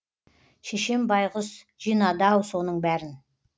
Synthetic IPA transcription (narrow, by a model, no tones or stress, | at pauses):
ʃeʃe̞mbɑjʁəs | ʒ̥ijnɑd̪ɑwso̞nəɴbæɾɪn